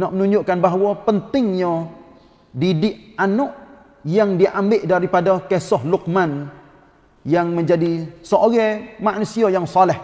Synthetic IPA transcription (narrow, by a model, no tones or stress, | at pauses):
nɔʔmənuɲd͡ʒʊʔkanbaɦwɔpənt̪ɪŋɲɔ | didɪʔanɔʔ | jaŋdiʔambɪʔdaɾipadakɛsɔhluk̚man | jaŋməɲd͡ʒadisɔʔoɡɛmaʔnusiajaŋsalɛh